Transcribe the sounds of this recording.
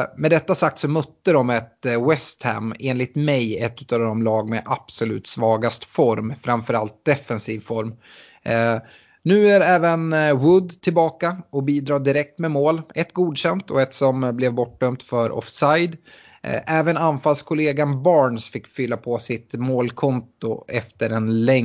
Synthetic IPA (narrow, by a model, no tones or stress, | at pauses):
mɛd̪ɛt̪ːasak̚t̪sɔmɵt̪ːəɾɔmɛt̪wɛst̪hæ̰meːnlɪt̪mɛjɛt̪ːʉ̟ːt̪aːvd̪ɔmlɑːɡmɛʔab̥sʊlʉ̟̰ːt̪svɑːɡast̪fɔɾmfɾamfœɾalt̪̚d̪ɛfɛnsiːvfɔɾm | nʉ̟ːæɾɛːvənwɵd̪t̪ʰɪlbɑːkaɔbiːd̪ɾɑːɖ̪ɪɾɛk̚t̪mɛmoːlɛt̪ɡuːd̪ɕɛnt̪ʰɔɛt̪sɔmblɛvbɔʈɖœmt̪fœɾɔ̰fsajd̪ | ʔɛːvənanfalskʰʊleːɡanbɑːɳsfɪkːfʏlːapʰɔsɪt̪moːlkʰɔnt̪ʊ̰ʔɛft̪əɾɛnlɛŋ